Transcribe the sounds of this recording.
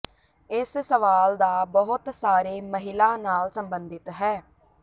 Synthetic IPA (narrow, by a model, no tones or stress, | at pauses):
ɪssəʋaːld̪aːbəɦʊt̪saːɾeːməɦɪlaːnaːlsəmbənd̪ɪt̪ɦɛː